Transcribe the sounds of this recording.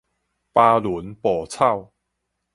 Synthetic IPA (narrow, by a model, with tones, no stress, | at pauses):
paː˧lu˨˦npɔː˨˩t͡sʰa˥˩˨w